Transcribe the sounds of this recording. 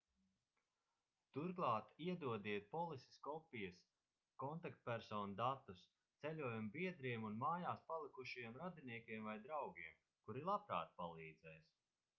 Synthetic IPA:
t̪uɾɡlˠaːt̪iɛd̪uɔd̪iɛt̪̚pɔlˠisʲi̥skɔpijəs | kɔnt̪akt̪̚pʲæɾsɔːnud̪at̪ːus | t̪sɛlʲuɔjambiɛd̪ɾiɛmunmaːjaːspalˠikuʃjiɛmɾad̪iniɛkʲiɛmvajd̪ɾawɡiɛm | kuɾilˠapɾa̰ːt̪̚palˠiːd̪zɛjs

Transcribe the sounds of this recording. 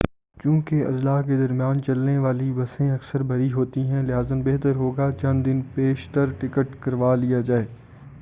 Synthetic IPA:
t͡ʃjũːkeɐ̰zlaːked̪ɐɾmijaːnt͡ʃɐlneʋaːlibɐsẽɐksəɾbʱɐɾiɦoːt̪iɦɛ̃lɪɦaːzənbeɦt̪əɾɦoːɡat͡ʃɐ̃nd̪d̪ɪnpeːʃt̪əɾʈɪkəʈkɐɾʋaːlijad͡ʒaːeː

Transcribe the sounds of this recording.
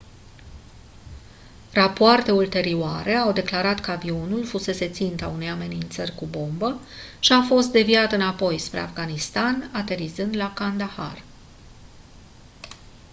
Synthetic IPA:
rapoart̪e̞ult̪e̞ɾioaɾe̞awd̪e̞klaɾat̪kəavio̞nulfuse̞se̞t̪sint̪aune̞jame̞nint̪sərʲkubo̞mbə | ʃiafo̞st̪̚d̪e̞viat̪ɨnapo̞jspɾe̞afɡanist̪anat̪e̞ɾizɨnd̪lakand̪aha̰r

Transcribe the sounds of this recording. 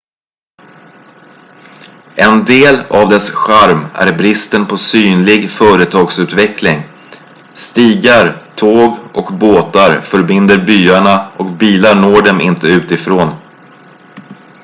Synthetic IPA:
ʔɛnd̪eːla̰vd̪ɛsɧaɾmæ̰ɾbɾɪst̪ənpʰɔsyːnlɪɡfœːɾət̪ʰɑːɡsʉ̟ːt̪vɛklɪŋ | st̪iːɡaɾt̪ʰoːɡɔkboːt̪aɾfœɾbɪnd̪əɾbyːaɳaʔɔkbiːlaɳoːɖɛmɪ̰nt̪əʉ̟ːt̪ɪfɾoːn

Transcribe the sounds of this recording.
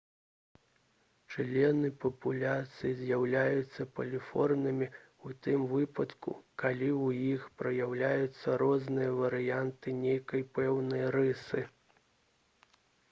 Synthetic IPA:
t͡ʂlʲɛnɨpɐpulʲat̪sɨjizʲjawlʲajut̪sːɐpɐlʲifɔrnɨmʲi | ut̪ɨmvɨpɐt̪kṵkalʲiwjixpɾɐjawlʲajut̪sːɐɾɔznɨjɐvɐɾɨjant̪ɨnʲejkɐjpɛwnɐjɾɨsɨ

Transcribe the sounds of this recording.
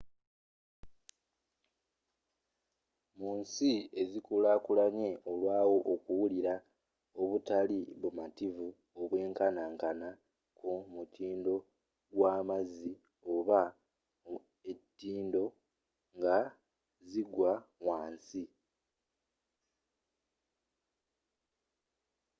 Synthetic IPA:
muːnsie̞zikulakulaɲe̞olwaːwo̞ʔːkuwuliɾa | oβutaliβumativu | oβwe̞ːŋkanaːŋkana | kʰumutʰiːndo̞ | ɡwaːmazi | o̞βa | e̞tːiːndo̞ | ŋɡa | ziɡwawaːnsi

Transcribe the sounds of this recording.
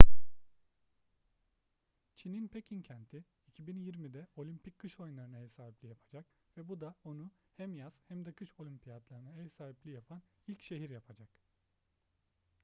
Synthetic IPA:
t͡ʃʰininpʰecʰincʰænt̪ʰiːcʰibinjiɾmid̪ɛo̞lʲympʰickʰːɯʃo̞junlˠaɾɯnaɦesaːɦiplʲijapʰad͡ʒak̚ | vɛbud̪ao̞nu | hæmjaz̥hæmd̪ɛkʰɯʃo̞lʲympʰijat̪lˠaɾɯnaesaːiplʲijapʰan | ilʲcʃe̞ɦiɾjapʰad͡ʒak

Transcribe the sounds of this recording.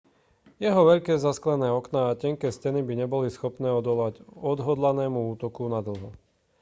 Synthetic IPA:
jɛɦɔʋɛʎkɛːzasklɛnɛːɔknaːcɛŋkɛːscɛnibiɲɛbɔlisxɔpnɛːɔd̪ɔlʋaɟɔd̪ɦɔd̪lanɛːmuuːt̪ɔkunad̪l̩ɦɔ

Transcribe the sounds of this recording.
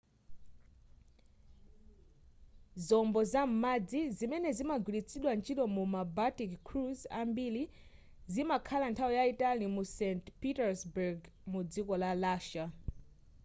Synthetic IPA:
zɔmbɔzam̩mad͡zizimɛnɛzimaɡwilit͡sʰiɗwant͡ʃʰilɔmumabatikkʰɾuzambili | zimakʰalantʰawijaitanimusɛntpitɛɹsbuɡ | mud͡zikɔlalaːʃa

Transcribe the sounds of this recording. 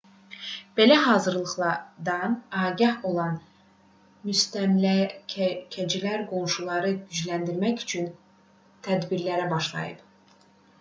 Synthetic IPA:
b̥e̞læɦɑːzɯɾlˠɯχlˠɑɾd̪ɑnɑːɟɑho̞lˠɑn | myst̪æmlæ | cʰæd͡ʒilæɾɡo̞nʃulˠɑɾɯɟyd͡ʒlænd̪iɾmæçy̥t͡ʃʰyn | t̪ʰæd̪biɾlæɾæbɑʃlˠɑ̰jɯ̰p

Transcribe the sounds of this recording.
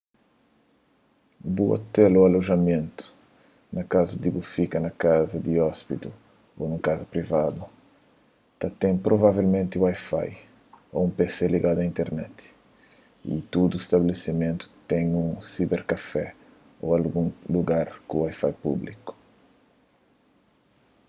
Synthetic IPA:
bua̰t̪ɛloaloʒɐmẽnt̪u̥ | nɐkazɐd̪ibufikɐnɐkazɐd̪iɔspit̪u | onũkazɐpɾivad̪u | t̪at̪ẽŋpɾovavelmẽnt̪ɪwajfa̰j | o̰ũmpeseliɡad̪uɐĩnt̪ɛɾnɛt̪i̥ | ḭt̪ud̪uest̪ɐbelesimẽnt̪u̥t̪ɛ̃jũŋsibeɾkafɛ | o̰alɡũŋluɡaɾkũwajfajpṵbliku̥

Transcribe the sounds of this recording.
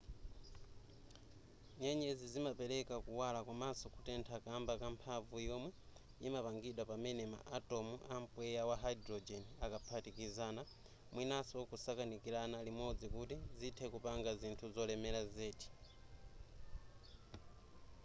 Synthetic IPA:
ɲɛɲɛzizimapɛɾɛkakuwalakwamasɔkutɛntʰakambakampʰavujɔmwɛ | imapaŋɡiɗwapamɛnɛma̰ʔatɔmuam̩pwɛjawaɦaidɾɔd͡ʒɛnakapʰatikizaːna | mwinasɔkusakanikiɾanalimɔd͡zikutizitʰɛkupaŋɡazintʰuzɔlɛmɛɾazɛːti̥

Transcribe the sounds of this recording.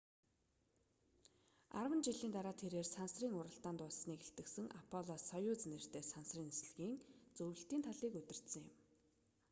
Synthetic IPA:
a̰rwə̆nt͡ɕiɮiːnt̪aɾaːt̪ʰːeɾeːrsansriːŋʊɾə̆ɬt̪aːnt̪ʊɮsniːkeɬt̪ɘ̆ksɘ̆ŋʔapʰɔɮɔsɔjʊːt͡snĕr̥t̪eːsansriːnes̆ɮɘɣiːŋt͡sɵwɘ̆ɬt̪iːnt̪ʰaɮiːkɵt̪ɪ̆r̥t̪sə̆ŋjɪ̰̆m

